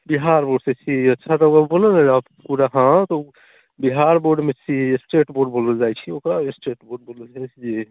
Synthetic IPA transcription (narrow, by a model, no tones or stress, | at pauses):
biɦaɾboɖset͡ʃʰiətːt͡ʃʰat̪ɔəəboləned͡ʒat̪puɾaɦãt̪ɔ | biɦaɾboɾɖmet͡ʃʰisʈeʈboɾɖboləld͡ʒajt͡ʃʰiokɾaesʈeʈboɾɖ̚boləld͡ʒat͡ʃʰid͡ʒe